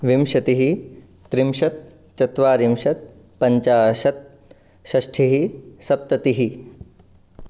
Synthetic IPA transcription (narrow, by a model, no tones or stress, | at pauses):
ʋimʃɐt̪iɦi | t̪ɾimʃɐt̪̚ | t͡ʃɐt̪ʋaːɾimʃɐt̪̚ | pɐɲt͡ʃaːʃɐt̪̚ | ʃɐʃʈʰiɦisɐp̚t̪ɐt̪iɦi